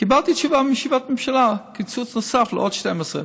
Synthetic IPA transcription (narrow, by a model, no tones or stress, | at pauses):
ɡ̥əbaltit͡ʃuvamiʃivatmɛmʃalakʰɪt͡sut͡snʊsaflʔɔ̰tʃtɛməsɛ̰